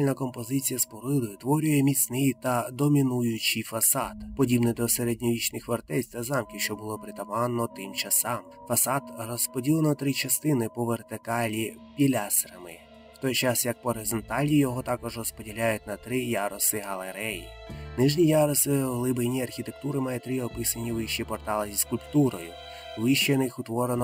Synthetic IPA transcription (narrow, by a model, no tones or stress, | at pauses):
lʲnɐkɔmpɔzɪt͡sʲijɐspɔɾɪlˠʊjʊt̪ʋɔɾʲʊjɛmʲit͡s̪ʲnɪjt̪ɐd̪ɔmʲinujʊt͡ʃifɐsɑd̪pɔdʲibnɪd̪ɔseɾedʲnʲɔʋʲit͡ʃnɪxʋɐrt̪ɛsʲt̪ɐzɑmkʲiwʃt͡ʃɔbʊlˠɔpɾɪt̪ɐpɑnːɔt̪ɪmt͡ʃɐsɑm | fɐsɑd̪rɔspɔdʲilˠenɔt̪ɾɪt͡ʃɐst̪ɪnɪpɔʋert̪ɪkɑlʲi | pʲilʲasɾɐmɪ | wt̪ɔjt͡ʃɑsjɐk̚pɔɾezɔnt̪ɑlʲijɔɦɔt̪ɑkɔʒrɔspɔdʲilʲajʊt̚ʲnɐt̪ɾɪjɑɾɔsɪɦɐlˠeɾɛjḭnɪʒnʲijɑɾɔsɪɦlˠɪbejnʲiɐrxʲit̪ek̚t̪uɾɪmɑjɛt̪ɾɪɔpɪsɐnʲiʋɪʃt͡ʃipɔrt̪ɑlˠɪzʲiskʊlʲpt̪uɾɔjʊ | ʋɪʃt͡ʃenɪxʊt̪ʋɔɾenɔ